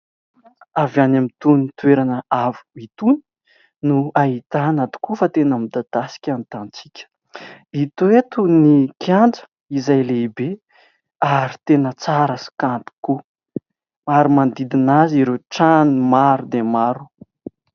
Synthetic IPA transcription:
avanamit̪unt̪ueɾanəavu̥it̪uni̥ | nuaɦit̪anat̪u̥kufat̪enamid̪ad̪̥asi̥kʲant̪ant͡sikʲə̥ | it̪uet̪unikʲjanɳd͡zə̥ | izajleibe | aɾi̥t̪enət͡saɾəsi̥kant̪i̥ku | aɾimand̪id̪inaziɾeʈ͡ʂanimaɾud̪emaɾu̥

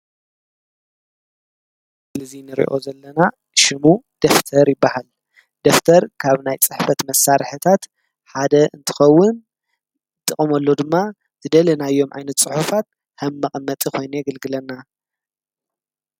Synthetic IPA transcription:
sɨlɐzinɨɾḭʔo̞zɐlːɐna | ʃɪmud̪̥ɐft̪ʰɐɾjɪbːahal | d̪̥ɐft̪ʰɐɾkʰaβnajt͡sʼɨħfɐt̪mɐsːaɾħɨt̪ʰat̪ | ħad̪ɐɨnt̪ʰɨ̥xɐwːʊn | t̪ʼɨχʼɐmolːod̪ɨmːa | t̪ʰɨd̪ɐlɐnajːo̞mʕa̰jnɐt̪sʼɨħufat̪̚ | hɐmːɐχʼmːɐt̪ʼikʰo̞jnujɛɡɐlɡɨlɐnːa

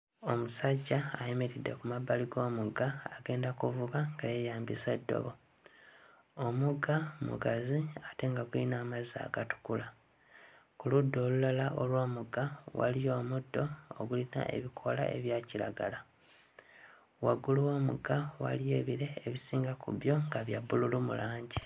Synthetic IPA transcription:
o̞musaɟːaːje̞me̞ɾidːe̞kumabːaliɡo̞ːmuɡaaɡe̞ːndakuvuβaŋɡajejaːmbisedːo̞̰βo̞ | omuɡamṵɡaziate̞ŋɡaɡulinaːmazia̰ɡatu̥kula | kuludːo̞ːlulalaʔolwo̞ːmuɡawa̰lijo̞ːmudːo̞o̰ɡulina̰ʔe̞̰βikʰo̞la̰ʔe̞̰βjaːciɾa̰ɡala | waɡuluwo̞ːmṵɡawa̰lije̞ːβiɾe̞ːβisiːŋɡakṵβjo̞ŋɡaβjabːululumṵlaːɲɟi

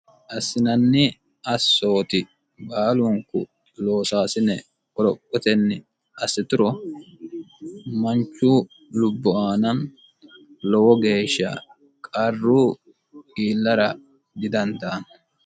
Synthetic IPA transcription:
ʔɐsːɪnɐnːɪ | ɐsːo̞ːt̪ɪ | baːlʊŋkʊ̰ | lo̞ːsaːsɪnɛ | kɔɾɔpʼːɔt̪ɛnːɪ | ɐsːɪt̪ʊɾɔ | mɐnt͡ʃːuː | lʊbːɔaːnɐn | lɔwɔɡe̞ːʃːɐ̰ | kʼɐrːuː | ɡiːlːɐɾɐ | ɡɪd̪ɐnt̪aːn

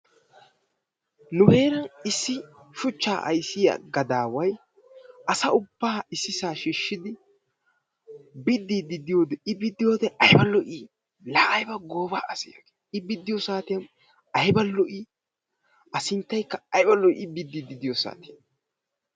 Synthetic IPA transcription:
nʊhe̞ːɾɐnɪsːɪʃʊt͡ʃːaːʔɐ̰jsɪjɐ̰ɡɐd̪aːwɐj | ʔɐsɐʊbːaːɪsːɪsaːʃiʃːɪd̪ɪ | bɪd̪ːid̪ɪd̪ɪjoːd̪ɛɪbɪd̪ːɪjoːd̪ɛʔɐjbɐlːɔʔi | laːʔɐjbɐɡoːbaːɐsɪja̰ɡe̥ːɪbɪd̪ːɪjɔsaːt̪ɪjɐn | ɐjbɐlːɔʔi | ɐsɪnt̪ːɐjkːɐɐjbɐlːɔɪbɪd̪ːid̪ɪd̪ɪjɔsa̰ːt̪ɪjɐn

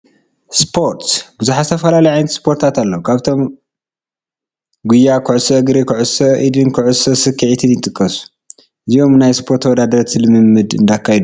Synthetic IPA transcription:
spʰo̞ɾt̪bɨzuħasɨt̪ʰɐfɐlalɐjʕajnɐt̪spʰo̞ɾt̪ʰat̪alːɐwkʰaβt̪ʰo̞m | ɡujːakʰɨʕʊsɐɐɡɾikʰuʕusɐʔid̪ɨnkʰɨʕusɐsɨkʰːiʕit̪ʰɨnjɪt̪ʼɨkʼːɐsu̥ | ʔɨzio̞mnajspʰo̞ɾt̪wɔd̪ad̪ɐɾt̪ʰilɨmɨmːɨd̪ɨ̰nd̪akʰːajd̪u

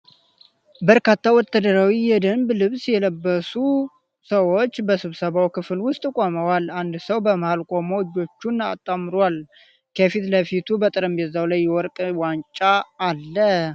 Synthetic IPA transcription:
bəɾkat̪ʰːawɔt̪ʰːad̪əɾawijɛd̪əmblɨβsjɛləbːəsu | səwo̞t͡ʃːbəsɨβsəβawkɨfɨlwʊst̪ʼkʼoməwaland̪səwbəməhalkʼo̞moɨd͡ʒːo̞t͡ʃːuna̰t̪ʼːamɾal | kʰəfit̪ləfit̪ʰubət̪ʼɨɾəmbɛzawlajːɛwɔɾkʼwant͡ʃʼaːlːə

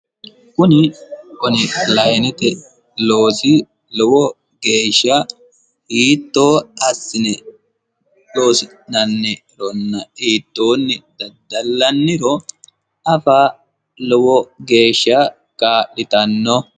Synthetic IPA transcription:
kʊnɪkɔnɪlɐjnɛt̪ɛ | lo̞ːsɪ | lɔwɔ | ɡe̞ːʃːɐ | hiːt̪ːo̞ːɐsːɪnɛ | lo̞ːsɪ | nɐnːɛɾɔnːɐiːt̪ːoːnːɪd̪̥ɐd̪ːɐlːɐnːɪɾɔ | ʔɐfaː | lɔwɔɡe̞ːʃːɐ | kaːʔɪt̪ɐnːɔ

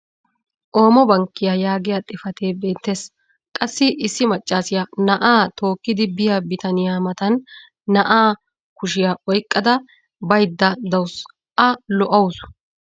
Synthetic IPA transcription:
ʔo̞ːmɔbɐŋkːɪjajaːɡɪjat̪ʼɪfɐt̪eːbe̞ːt̪ːes | kʼɐsːɪʔɪsːɪmɐt͡ʃʼːaːsɪjanɐʔaːt̪ʰo̞ːkːɪd̪ɪbɪjɐbɪt̪ɐnɪjaːmɐt̪ɐnː | ɐʔaː | kʊʃɪjaʔɔjkʼːɐd̪ɐ | bɐjd̪ːɐd̪ɐws | ʔɐlɔʔɐws

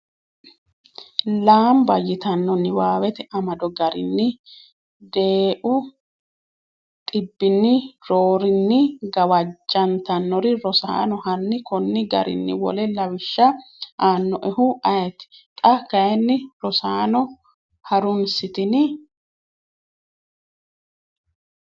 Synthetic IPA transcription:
laːmbɐjɪt̪ɐnːɔnːɪwaːwɛt̪ɛɐmɐd̪ɔɡɐɾɪ̰nːɪ | d̪eːʔʊ | t̪ʼɪbːɪnːɪɾoːɾɪnːɪɡɐwɐd͡ʒːɐnt̪ɐnːɔɾɪɾɔsa̰ːnɔhɐnːɪkɔnːɪɡɐ̰ɾʔɪ̰nːɪ̰wɔ̰lɛlɐwɪʃːɐaːnːɔʔɛhʊʔɐjɛt̪ɪ̥t̪ʼɐkːɐjɛnːɪɾɔsaːnɔ | hɐɾʊnsɪt̪ɪnɪ

